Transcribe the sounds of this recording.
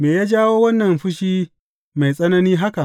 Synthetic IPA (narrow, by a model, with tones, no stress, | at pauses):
meː˨jaː˦d͡ʒaː˦woː˦wɐ˦nːɐ˨mɸʊ˦ʃiː˦ | ma˨jsʼɐ˦nɐ˦niː˦ɦa˦ka˨ʔ